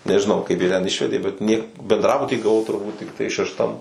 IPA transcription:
nʲɛʒʲɪˈnɐʊ kɐɪp ˈjiɛ tʲɛn ˈɪʃʲʋʲɛdʲeː bʲɛt nʲiɛ bʲɛndˈrɑːbʊtʲiː ɡɐˈʋɐʊ tʊrˈbuːt tʲɪkˈtɐɪ ʃʲɛʃˈtɐm

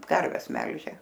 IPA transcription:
ˈkɐrʲʋʲɛs ˈmʲɛlʲʒʲeː

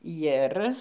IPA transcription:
ˈjɪr

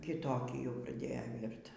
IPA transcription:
kʲɪˈtoːkʲiː jɛʊ prɐˈdʲeːjoː ˈʋʲiːrt

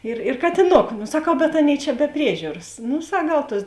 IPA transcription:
ˈɪr ɪr kɐtʲɪˈnoːkʊ sɐˈkɐʊ bʲɛt ˈɑːˌnʲeːɪ t͡ʃʲɛ bʲɛ ˈpʲrʲiɛʒʲuːrɐs ˈnʊ ˈsɐk ˈɡɐlˠ ˈtuɔs

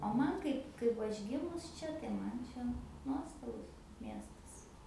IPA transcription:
oː ˈmɐn ˈkɐɪp ˈkɐɪp ʋɐ ˈɐʃ ˈɡʲɪmʊs ˈt͡ʃʲɛ tɐɪ ˈmɐn ˈt͡ʃʲɛ ˈnuɔstɐbʊs ˈmʲiɛstɐs

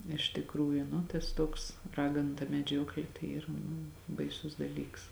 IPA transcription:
ɪʃ tʲɪkˈruːjʊ nʊ tɐs ˈtuɔks ˈrɑːɡɐnʊ tɐ mʲɛˈd͡ʒʲuɔklʲeː tɐɪ ˈiːrɐ nʊ bɐɪˈsʊs dɐˈlʲiːks

